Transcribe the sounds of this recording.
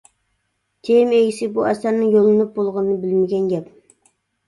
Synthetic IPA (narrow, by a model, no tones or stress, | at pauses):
t̪ʰemeɡʲisɪbuʔɛsæɾnɨŋjolˠɨnɨp̚bolˠʁnɨnɨbɪlmɪɡʲɛnɡʲɛp